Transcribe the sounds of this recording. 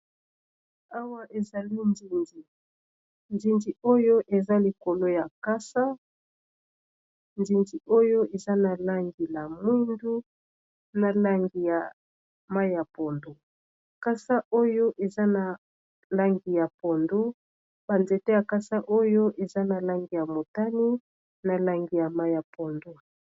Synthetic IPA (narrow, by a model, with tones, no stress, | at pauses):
a˦wa˦ʔe˨za˨li˦nzi˨nzi˨ | nzi˨nzi˨o˦jo˦ʔe˨za˦li˨ko˨lo˦ja˨ka˦sa˦ | nzi˨nzi˨ʔo˦jo˦e˨za˦na˨la˦ŋɡi˨la˨mwi˦ndu˦ | na˨la˦ŋɡi˨ja˨ | ma˦i˦ja˨po˨ndo˦ | ka˦sa˦o˦jo˦ʔe˨za˦na˨ | la˦ŋɡi˨ja˨po˨ndo˦ | b̥a˨nze˨te˦ja˨ka˦sa˦ʔo˦jo˦ʔe˨za˦na˨la˦ŋɡi˨ja˨mo˨ta˦ni˦ | na˨la˦ŋɡi˨ja˨ma˦i˦ja˨po˨ndo˦